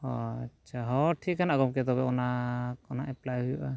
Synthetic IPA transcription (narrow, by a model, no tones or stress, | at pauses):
ɔt͡ʃʰaɦɔʈʰikanaɡɔmkɛt̪ɔbɛʔɔnaɔnaʔɛplajɦujɔʔa